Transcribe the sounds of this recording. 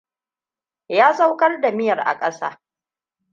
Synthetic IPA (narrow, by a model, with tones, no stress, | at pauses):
jaː˦sʼa˦wkʼɐ˦rda˨mɪ˦jɐ˨rʔa̰˨kʼɐ˦sa̰ː˦